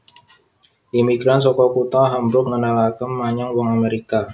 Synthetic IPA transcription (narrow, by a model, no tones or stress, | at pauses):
ʔimiɡɾansɔkɔkut̪aɦambɾʊk̚ŋənalakəmːaɲaŋwɔŋameɾika